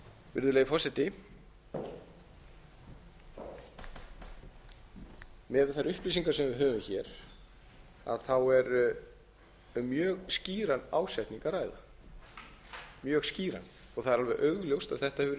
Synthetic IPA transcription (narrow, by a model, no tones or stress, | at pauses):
vɪ̰ɾðʏlejfɔsɛt̪ɪ | mɛðɪθaɾʏhplisiŋkaɾ̥sɛmvɪɦœːvʏmçɛɾ̥ | a̰ðθawɛɾ | mjœːɣsciːɾanːa̰ːwsajht̪niŋkaraːjða | mjœːɣsciːɾa̰n | ɔɣθaðɾalvɛðʔœɥɣljowst̪aðθɛht̪ahɛvʏɾ